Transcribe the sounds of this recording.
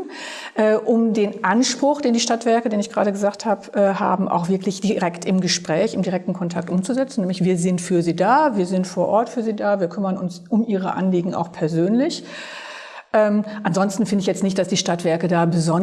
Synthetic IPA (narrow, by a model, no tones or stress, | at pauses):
ʔɛːʔʊmdeːnʔanʃpʁ̥ʊxd̥eːndiːʃtatv̥ɛɐkədeːnɪçɡ̥ʁaːɾəɡəzaːχthaːbəʔɛːha̰ːbm̩ʔa̰ʊxv̥ɪɐklɪçd̥iʁɛktɪmɡəʃpʁ̥ɛːçɪmdiʁɛk̚tn̩kʰɔntʰak̚tʔʊmt͡suzɛt͡sn̩nɛːmlɪçv̥iːɐzɪntfyːɐziːdaːviːɐzɪntfoːɐʔɔɐtfyːɐziːdaːviːɐkʰʏmɐnʊnsʔʊmʔiːʁ̞əʔa̰nliːɡŋ̩ʔa̰ʊxpʰɛɐzøːnlɪç | ʔɛːmʔanzɔnstn̩fɪndəɪçjɛt͡stnɪçtd̥asd̥iːʃtatv̥ɛɐkədaːbəzɔ